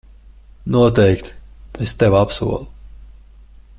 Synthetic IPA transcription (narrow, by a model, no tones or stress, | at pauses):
nuɔt̪ɛjkt̪est̪evapsṵɔlˠu